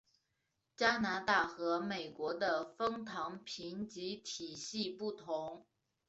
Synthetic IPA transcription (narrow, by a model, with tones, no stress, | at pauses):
t͡ɕja˥na˧˥t̪a˥˩xɤ˧˥me˨˩ɪkwɔ˧˥d̪ə˧fɤ˥ŋt̪ʰɑ˧˥ŋpʰi˧˥nt͡ɕi˧˥t̪ʰi˨˩ɕi˥˧pu˥˩t̪ʰʊ˧˥ŋ